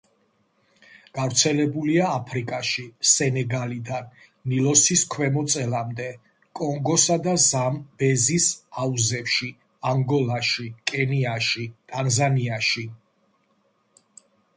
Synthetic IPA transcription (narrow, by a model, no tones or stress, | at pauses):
ɡ̥avɾt̪sʰɛlɛbuliaːpʰɾikʼaʃisɛnɛɡalid̪anː | ilɔsiskʰwɛmɔt̪sʼɛlamd̪ɛ | kʼɔŋɡɔsad̪azambɛzisauzɛfʃi | aŋɡɔlˠaʃikʼɛniaʃit̪ʼanzaniaʃi